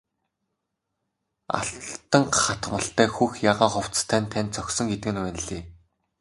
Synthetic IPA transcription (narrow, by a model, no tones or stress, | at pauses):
a̰ɬt̪ə̆ŋχat̪mə̆ɬt̪æːxuxjaːʁaːχʊw̥t͡st̪ʰæːnʲt̪ʰːænt̪̚t͡sɔksɞ̆ŋɡet̪ɘ̆ɡɘ̆nwæːnɘ̆ɮeː